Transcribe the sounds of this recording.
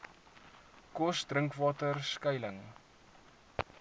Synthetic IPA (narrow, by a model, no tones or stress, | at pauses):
kɔsdrəŋkvɑːtərskəjləŋ